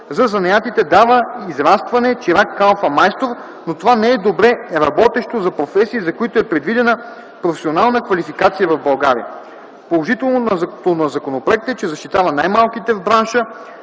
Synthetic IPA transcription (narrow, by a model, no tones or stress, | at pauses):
zɐzɐnɐjat̪it̪ɛd̪avəizɾast̪vɐnɛt͡ʃiɾakːalˠfɐmajst̪oɾ | not̪ovanɛɛd̪obɾɛɾɐbɔt̪ɛʃt̪ozɐpɾofɛsiːzɐkoit̪oɛpɾɛd̪vid̪ɛnə | pɾofɛ̥sionalˠnəkvɐlifikat̪sijəvɐvbɐlˠɡaɾḭjə̰ | polˠoʒit̪ɛlˠnonɐt̪onɐzɐkonopɾoɛk̚t̪ɛt͡ʃɛzɐʃt̪it̪avɐnajmalˠk̟it̪ɛvbɾanʃə